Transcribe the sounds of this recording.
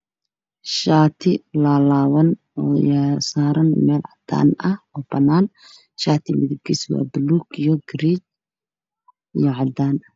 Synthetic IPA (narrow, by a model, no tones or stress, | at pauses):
ʃaːt̪ʰɪlaːlaːwɐn | ɔjasaːɾɐnmɛːlʕɑd̪a̰ːnɐhɔːb̥ɐnːaːn | ʃaːt̪ʰɪmɪðɪb̚kʰiswa̰ːbɪluːɡijɔɡɾiːt͡ʃ | ijɞʕɑd̪aːn